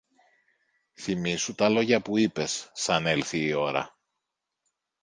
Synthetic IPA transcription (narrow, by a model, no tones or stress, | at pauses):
θimisut̪ɐlo̞ʝɐpuipe̞sːɐne̞lθiːo̞ɾɐ̰